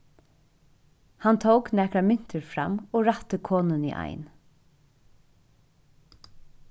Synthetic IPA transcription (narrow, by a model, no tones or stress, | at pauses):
hant̪ʰowknɛkɾamɪn̥t̪əɹfɾamɔːɹat̪əkʰɔːnənḭʔa̰jn